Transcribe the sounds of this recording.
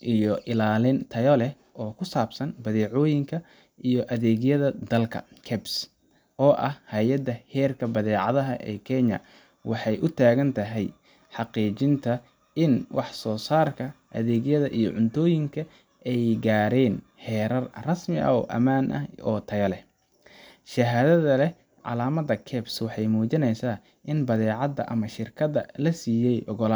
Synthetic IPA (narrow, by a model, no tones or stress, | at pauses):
ʔijɔʔɪlaːlɪnt̪ʰɐjɔlɛh | ʔɔːkʰʊsaːbsɐnbɐðɛːʕɔːjɪŋkʰɐ | ʔijɔʔɐðɛːɣjɐðɐd̪ɐlkʰɐ̰kʰɛbs | ʔɔːʔɐhhaːjɐd̪ɐhɛːrkʰɐbɐðɛːʕɑðɐɦɐ̰ʔɛ̰ːkʰɛɲɐ̰ | wʔɑħɑjʔʊt̪ʰaːɣɐnt̪ʰɐɦɛj | ħɑqiːt͡ʃɪnt̪ʰɐ | ʔɪnwɑħsɔːsaːrkʰɐʔɐ̰ðɛːɡjɐðɐʔijɔʕʊnt̪ʰɔːjɪŋkʰɐ | ʔɛjɡaːɾɛːn | hɛːɾɐrrɐsmɪʔɐ̰ɔ̰ːʔɐ̰maːnʔɐ̰ɔːt̪ʰɐɣɐlɛ | ʃɐɦaːðɐðɐlɛ | ʕɑ̰laːmɐðɐkʰɛːbswɑħɑjmuːt͡ʃɪnɛjsaː | ʔɪnbɐðɛːʕɑd̪ɐ̰ʔɐmɐʃɪrkʰɐðɐ̰lɐsiːjɛjʔɔɣɔla